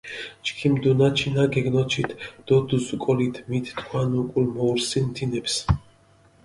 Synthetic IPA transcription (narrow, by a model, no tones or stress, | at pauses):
t͡ʃkʰimd̪unat͡ʃʰinaɡɛɡnɔt͡ʃʰit̪ʰd̪̥ɔd̪uzukʼɔlit̪ʰmit̪t̪ʰkʰwanukʼulmɔuɾsinmt̪ʰinɛps